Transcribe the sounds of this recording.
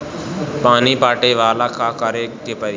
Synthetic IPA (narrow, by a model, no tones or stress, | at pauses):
paːniːpaːʈeːʋaːlaːkʰaːkəɾeːɡɪpəɾ